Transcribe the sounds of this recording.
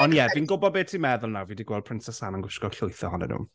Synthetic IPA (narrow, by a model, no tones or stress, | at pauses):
ɔnjɛviːnɡʊbɔdbeːtʰimɛðʊlˠnawviːdiɡwɛlˠd̚pʰrɪnsɛsananɡwɪʃkɔ̥ɬʊjθɔɦɔnɛ̰nṵːm